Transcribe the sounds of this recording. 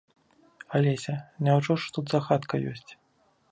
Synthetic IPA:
alʲesʲɐnʲawʐɔʂt̪ud̪zaxat̪kɐjɔ̰sʲt͡sʲ

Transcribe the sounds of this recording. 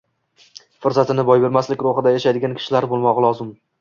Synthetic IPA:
fʊɾzat̪ʰɪnɪbɒjbe̞ɾmaslɪkʲɾoχɨd̪ajaʃajd̪ɪɡʲankʲʰɪ̥ʃɪlaɾbolˠmɒʁlˠɒzɪm

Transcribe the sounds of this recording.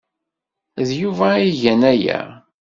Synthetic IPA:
ðjuvæiʝænæjæ̰

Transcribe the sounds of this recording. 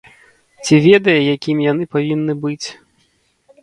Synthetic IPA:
t͡sʲivʲɛd̪ɐjɐjakʲimʲjanɨpavʲinːɨbɨt͡sʲ

